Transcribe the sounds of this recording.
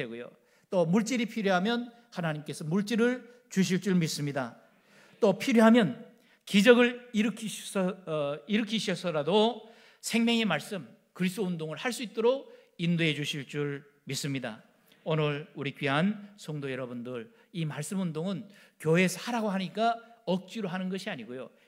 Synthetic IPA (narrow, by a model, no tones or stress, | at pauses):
eɡujo̰ | t͈omuɭt͡ɕ͈iɾipʰiɾjoɦamjʌn | hanaɲimk͈e̞sʰʌmuɭt͡ɕ͈iɾɯɭ | t͡ɕuɕʰiɭt͡ɕ͈uɭmis͈ɯmɲida | t͈opʰiɾjoɦamjʌn | kid͡ʑʌɡɯɭiɾɯkʰiɕsʌiɾɯkʰiɕʰʌsʌɾado | sʰe̞ŋmjʌŋe̞maɭs͈ɯm | kɯɾisʰd̥͈oundoŋɯɭhaɭs͈uit̚t͈oɾoɡ | indoɦe̞d͡ʑuɕʰiɭt͡ɕ͈uɭ | mis͈ɯmɲida̰ | onɯɭuɾikɥiɦansʰʌŋdojʌɾʌbundɯɭ | imaɭs͈ɯmundoŋɯnkjoɦe̞sʰhaɾaɡoɦaɲik͈aʌk̚t͡ɕ͈iɾoɦanɯnɡʌɕʰiaɲiɡojo̰